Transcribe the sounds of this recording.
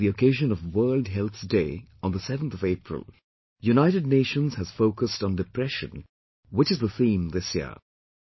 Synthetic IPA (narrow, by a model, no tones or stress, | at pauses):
ðiəkʰeɪʒɨ̃nʌvwɜ˞lˠd̚ɦɛlˠθdeɪ | ə̃nðəsɛvə̃n̩θʌveɪpʰɹə̰lˠ | junaɪɾɨd̚ⁿneɪʃə̃nz̥hɨz̥foʊkəstn̩dɨpʰɹɛʃɨ̃n | wɪt͡ʃɨzðəθĩːmðɪsjɪ̰ə̰